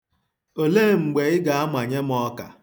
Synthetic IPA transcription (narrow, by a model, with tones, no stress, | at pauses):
o˨le˦˨ŋ͡m̩˨ɡ͡be˨ɪ˦ɡa˨a˦mʷa˨ɲe˦m˦ɔ˦ka̰˨